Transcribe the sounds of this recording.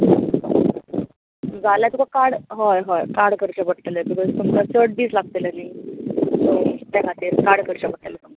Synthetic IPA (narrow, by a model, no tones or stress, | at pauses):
d͡zalat̪ukakaɽɦɔjɦɔjkaɽkəɾt͡ɕəpəɽt̪ləbikɔzt̪um̤alasəɽ̚biːslaɡ̚t̪elənaisot̪akʰat̪iːɾkaɽkəɾt͡ɕəpəɽt̪eləsəm